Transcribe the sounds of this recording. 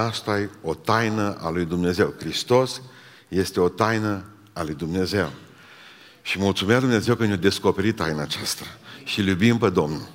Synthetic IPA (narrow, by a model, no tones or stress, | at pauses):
ast̪ajo̞t̪ajnəʔa̰lujd̪umne̞ze̞wkɾist̪o̞s | je̞st̪e̞o̞t̪ajnə | alujd̪umne̞ze̞w | ʃimult̪sumead̪umneze̞wkənjad̪e̞sko̞pe̞ɾit̪ːajnaːt͡ʃast̪aʃiljubimped̪o̞mnul